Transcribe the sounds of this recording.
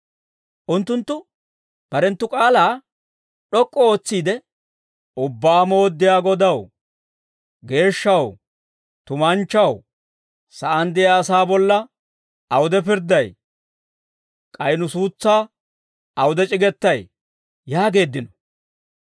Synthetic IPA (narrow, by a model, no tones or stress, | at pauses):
ʔʊnt̪ːʊnt̪ːʊ | b̥ɐɾɛnt̪ːʊkʼaːlaː | ɗɔkʼːɔo̞ːt͡sːiːd̪ɛ | ʊbːaːmoːd̪ːɪjaːɡɔd̪ɐw | ɡe̞ːʃːɐw | t̪ʊmɐnt͡ʃːɐw | sɐʔɐnd̪ɪjaːsaːbɔlːɐ | ɐwʊd̪ɛpɪɾd̪ɐj | kʼɐjnʊsuːt͡sːaː | ɐwʊd̪ɛt͡ʃʼɪɡɛt̪ːɐj | jaːɡe̞ːd̪ːɪnɔ̥